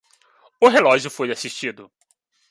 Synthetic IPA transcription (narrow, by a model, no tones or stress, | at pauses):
ʊɦelɔʒjʊfojasiʃt͡ʃid̪ʊ